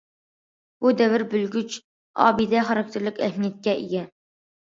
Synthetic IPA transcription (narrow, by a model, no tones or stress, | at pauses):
b̥ud̪ɛvɪɾbylɡʲyt͡ʃ | ɑ̰ːbid̪ɛχɑɾɑk̚t̪ʰeɾlɪkʲɛhmijɛt̪̚kʲɛʔeɡʲɛ